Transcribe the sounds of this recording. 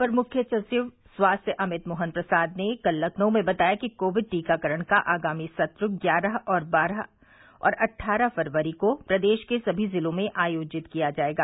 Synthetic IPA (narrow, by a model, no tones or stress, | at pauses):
pɐɾmʊkʰjət͡ʃɐsɪʋ | swaːst̪ʰjəʔɐmɪt̪moːɦənpɾɐsaːd̪nekɐlːəkʰnõmẽbɐt̪aːjakikoːʋɪɖ̚ʈiːkakəɾəɽ̃kaʔaːɡaːmisɐt̪ɾʊɡjaːɾaɦɔːɾbaːɾa | ɔ̰ːɾʔɐʈʰːaːɾəɦfɐɾʋəɾikopɾɐd̪eːʃkesɐbʱizɪlõmẽʔaːjoːd͡ʒɪt̪kijad͡ʒaːeːɡaː